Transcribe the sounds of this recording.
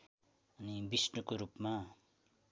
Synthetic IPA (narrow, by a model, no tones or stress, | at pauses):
ʌnibisʈokoɾupma